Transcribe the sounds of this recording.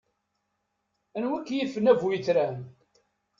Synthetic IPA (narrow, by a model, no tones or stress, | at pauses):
ænwikːjifːənævujiθɾæn